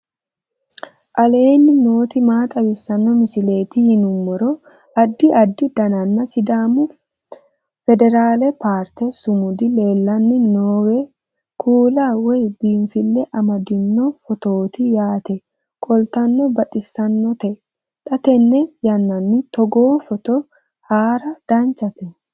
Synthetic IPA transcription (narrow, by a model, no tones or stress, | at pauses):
ʔɐle̞ːnːɪno̞ːt̪ɪmaːt̪ʼɐwɪsːɐnːɔmɪsɪle̞ːt̪ɪhɪnʊmːɔɾɔ | ɐd̪ːɪʔɐd̪ːɪd̪ɐnɐnːɐsɪd̪aːmʊ | fɛd̪ɛɾaːlɛpaːɾt̪ɛsʊmʊd̪ɪle̞ːlːɐnːɪnoːwɛ | kʰuːlaːwɔjbiːnfɪlːɛʔɐmɐd̪ɪnːɔfɔt̪oːt̪ɪjaːt̪ɛ | kʼɔlt̪ɐnːɔbɐʔʼɪsːɐnːɔt̪ɛ | t̪ʼɐt̪ɛnːɛjɐnːɐnːɪt̪ɔɡoːfɔt̪ɔ | haːɾɐd̪̥ɐnt͡ʃɐt̪ɛ